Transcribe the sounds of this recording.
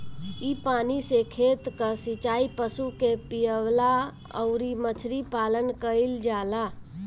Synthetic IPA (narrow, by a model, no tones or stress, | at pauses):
ipanisekʰet̪kəsit͡ʃaipəsukepijəʋla | ə̰ʊɾimət͡ʃʰɾipalənkəild͡ʒala